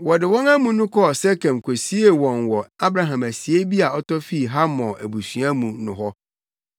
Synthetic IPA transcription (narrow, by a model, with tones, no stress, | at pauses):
wɔ˨dɪ˨wɔ̃˦ŋa˦mũ˦nʊ̃˦kʰɔ˦˨sɛ˦kʰɛ̃˨m˨kʰo˨si˦e˨wɔ̃˨nwɔ˨a˦bɾa˨ɦã˨mæ˨si˨e˦bi˦a˨ɔ˦tɔ˦fi˦˨ɦa˦mɔ̃˨ʔæ˨bu˨sɥã˦mũ˨nʊ̃˨ɦɔ˦